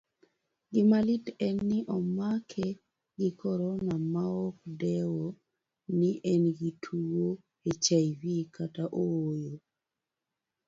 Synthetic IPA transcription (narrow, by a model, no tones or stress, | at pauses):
ɡɪmalitɛnːɪʔɔmakʰɛ | ɡɪkʰɔɾɔnamaɔkdɛwo | nɪʔɛnɡitʰuwo | et͡ʃaivikataʔowojo